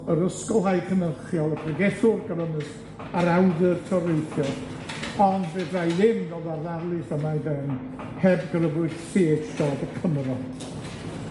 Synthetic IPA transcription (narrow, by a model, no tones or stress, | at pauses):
əɾəskɔlˠɦajkʰənəχjɔlˠəpʰrɛɡɛθʊrɡəɾənəs | aɾawðərtʰɔɾejθjɔ | ɔndvedrajðɪnɡɔðaðalˠɨsəmajðɛn | hɛbɡrəvʊɨð̥seːdɬɔdəkʰəmɾɔ